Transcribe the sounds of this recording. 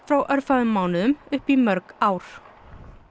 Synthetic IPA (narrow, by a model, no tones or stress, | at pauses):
fɾawʔœɾfaðʏmːaːwnɪðʏmʏhpimœɾkaːwɾ̥